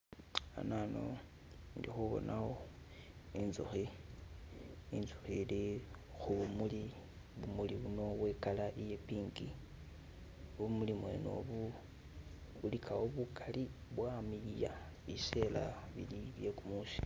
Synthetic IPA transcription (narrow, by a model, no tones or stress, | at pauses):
a̰nano̰ | ndixuβo̞̰nʔaho | inzṵxi | inzuxili | xuβumuli | βumuliβuno̞ɣwe̞ːkalaʔijepiːŋɡi | βumulimwe̞̰no̰βu | βulikʰawoβukʰaliβwamilja | βisela̰βiliβjekumusi̥